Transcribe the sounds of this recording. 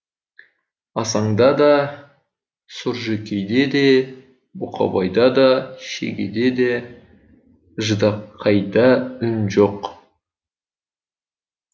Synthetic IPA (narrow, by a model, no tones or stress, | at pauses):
ɑsɑɴd̪ɑd̪ɑ | sʊɾʒekʲejd̪e̞d̪e̞ | bʊqʰɑ̰bɑjd̪ɑd̪ɑʃḛɡʲḛd̪e̞d̪e | ʒəd̪ɑp̚qʰːɑjd̪ɑʏnʒoq